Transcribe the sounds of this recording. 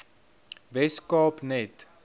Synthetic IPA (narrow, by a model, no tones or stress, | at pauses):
vɛskɑːpnɛt